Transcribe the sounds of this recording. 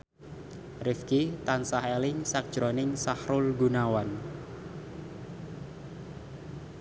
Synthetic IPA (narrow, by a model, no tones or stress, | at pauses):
rɪfkit̪ansahelɪŋsak̚d̥ʒ̥ɾonɪŋsahɾʊlɡunawan